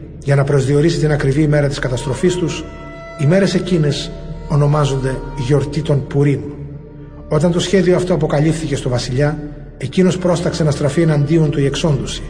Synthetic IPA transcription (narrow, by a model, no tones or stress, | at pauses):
ʝɐnɐpɾo̞zðio̞ɾisit̪inɐkɾiviːme̞ɾɐt̪iskɐt̪ɐst̪ɾo̞fist̪us | ime̞ɾe̞se̞cine̞so̞no̞mɐzo̞nd̪e̞ʝo̞ɾt̪it̪o̞npuɾin | o̞t̪ɐnt̪o̞sçe̞ðio̞ɐft̪oɐp̬o̞kɐʎifθice̞st̪o̞vɐsiʎɐ | e̞cino̞spɾo̞st̪ɐkse̞nɐst̪ɾɐfienɐnd̪io̞nt̪uie̞kso̞nd̪osi̥